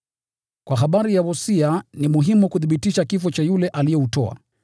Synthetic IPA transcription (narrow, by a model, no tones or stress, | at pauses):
kwaɦaɓaɾijawɔsianimuɦimukuθiɓitiʃakifɔt͡ʃajulɛʔalijɔutɔa̰